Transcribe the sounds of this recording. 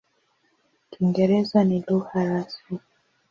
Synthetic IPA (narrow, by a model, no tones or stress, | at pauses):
kʰiŋɡɛɾɛzaniluhaɾasi